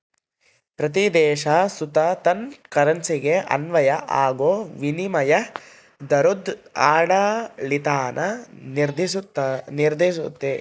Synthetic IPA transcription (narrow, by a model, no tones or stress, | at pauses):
pɾɐt̪̬id̪ɛːʃaːsut̪ɐt̪ɐnkɐɾɐnsiɡeʔɐ̰nʋɐjɐʔaːɡoːʋinimɐjɐ | d̪ɐɾud̪aːɽaːlit̪aːnʔɐniɾd̪ʱisut̪ːɐniɾd̪ʱiʃut̪ːe